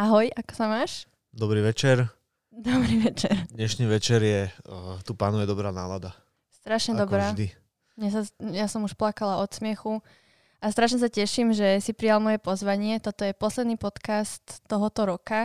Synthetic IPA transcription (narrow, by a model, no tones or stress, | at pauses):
aɦɔjakɔ̥samaːʃ | d̪ɔbɾiːʋɛt͡ʃɛɾ | d̪ɔbɾiːʋɛt͡ʃɛɾd̪ɲɛʃniːʋɛt͡ʃɛɾjɛt̪uːpa̰ːnujɛd̪ɔbɾaːna̰ːlad̪a | st̪ɾaʃɲɛd̪ɔbɾaːd̪i | mɲɛsajasɔmuʃplakalaɔt̪smɪɛxu | ast̪ɾaʃɲɛs̬acɛʃimʒɛsipɾijalmɔjɛpɔzʋaɲɪɛt̪ɔt̪ɔjɛpɔslɛd̪niːpɔt̪kast̪ːɔɦɔt̪ɔɾɔka